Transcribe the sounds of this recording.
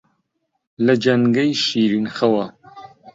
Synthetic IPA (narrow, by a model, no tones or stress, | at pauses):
lɐd͡ʒɐŋɡɐjʃiːɾinxɐwɐ